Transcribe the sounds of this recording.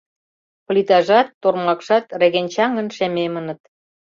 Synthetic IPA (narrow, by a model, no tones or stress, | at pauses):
plit̪ɑʒɑt̪ːormɑkʃɑt̪reɣenʲt͡ɕɑŋə̆nʃememənə̆t̪